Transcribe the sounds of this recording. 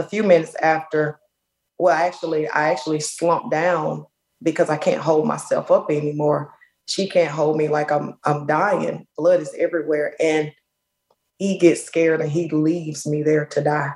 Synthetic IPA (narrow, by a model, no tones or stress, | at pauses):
əfjʉmɪ̃nɨtsæftə˞ | wɛlˠaɪæk̚t͡ʃul̩ˠiʔa̰ɪæk̚t͡ʃul̩ˠislʌ̃mp̚d̥ãʊ̃n | bɨkʰʌzaɪkʰæ̰̃nt̚ɦoʊlˠd̚ma̰ɪsɛ̰lˠfʌpɛnimɔɹ | ʃikʰæ̃ntɦoʊlˠd̚milaɪkãɪ̃mãɪ̃mdaɪɪ̰̃ŋb̥lʌɾɨzɛvɹiwɛɹʔɨ̃n | hiɡɛtskɛɹɾɨ̃nilivzmiðə˞ɾɨdaɪ